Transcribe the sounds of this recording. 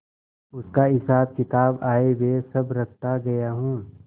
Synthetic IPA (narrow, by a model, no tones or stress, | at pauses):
ʊskaɦɪsaːb̚kɪt̪aːbaːewesɐbɾɐk̚ʰt̪aɡɐjaɦũː